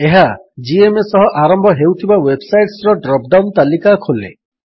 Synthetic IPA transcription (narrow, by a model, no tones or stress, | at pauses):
eɦa | d͡ʒiemesɔɦɔʔaɾɔmbʱɔɦewt̪ʰibawebsajʈsɾɔɖɾɔp̚ɖawnt̪alikakʰolḛ